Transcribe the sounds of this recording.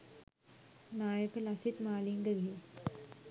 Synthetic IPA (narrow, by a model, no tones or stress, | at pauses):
naːjəkəlɐsit̪maːliŋɡəɡie